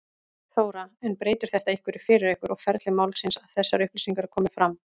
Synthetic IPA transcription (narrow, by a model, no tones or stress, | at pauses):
θoːwɾaɛnːpɾeːjt̪ʏɾ̥θɛht̪aihkvɪɾɪfɪːɾɪɾehkʏɾɔɣfɛɾt̪lɪmawlsɪnsaðθɛsːaɾʏhplisiŋkaɾkʰɔːmɪfɾamː